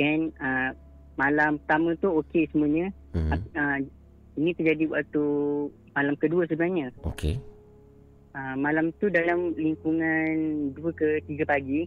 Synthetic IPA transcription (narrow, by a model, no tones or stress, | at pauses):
kɛnə | malampət̪amə̃t̪uokesəmũaɲə̃ | aə | inĩt̪ərd͡ʒadiwaʔt̪u | malamkəduəs̬əbənahɲə̃o̰kḛ | əmalamt̪udalamliŋkuŋanduəkət̪iɡapaɡi